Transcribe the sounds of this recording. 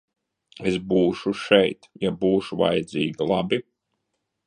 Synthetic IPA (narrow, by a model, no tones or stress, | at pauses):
esbuːʃuʃɛjt̪jabuːʃuva̰jd̪ziːɡilˠabi